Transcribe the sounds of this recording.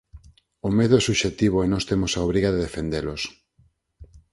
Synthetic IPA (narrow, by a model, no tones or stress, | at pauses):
omeðʊɛsuʃet̪iβ̞oenost̪emosaoβɾiɣaðeðefend̪elos